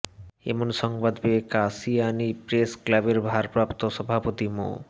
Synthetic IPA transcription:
ḛmonʃɔŋbad̪bekasianipɾesklabeɾbʱaɾpɾapt̪oʃɔbʱapot̪imo̰

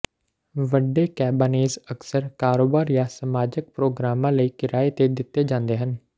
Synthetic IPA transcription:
ʋəɖːeːkɛːbɪneːzəksəɾkaːɾoːbaːɾjãːsəmaːd͡ʒək̚pɾoːɡɾaːmãːləiːkɪɾaːeːt̪eːd̪ɪt̪ːeːd͡ʒãːnd̪eːɦən

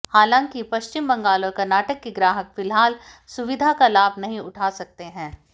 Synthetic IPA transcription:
haːlãŋkipɐʃt͡ʃɪmbɐ̃ŋɡaːlõkɐɾnaːʈəkːiɡɾaːɦəkfɪlɦaːlsʊʋɪd̪ʱakalaːbʱnɐɦĩʊʈʰaːsɐk̚t̪eɦɛ̃ː

